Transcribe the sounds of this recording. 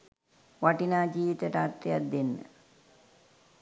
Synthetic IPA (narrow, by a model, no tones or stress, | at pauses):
ʋaʈinaːd͡ʒiːʋit̪əʈat̪ːejat̪̚d̪enːə̰